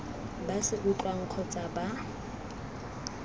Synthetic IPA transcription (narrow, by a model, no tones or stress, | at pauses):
basɪʔʊt͡ɬʼwaŋ̩q͡χʰɔt͡sʼaba